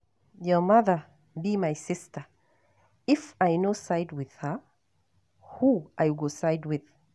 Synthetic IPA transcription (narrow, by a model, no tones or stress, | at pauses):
jɔmʌðə | bimajsɪstə˞ | ɪfajnosajd̚wɪð̥hə | huʔajɡosajd̚wɪð̥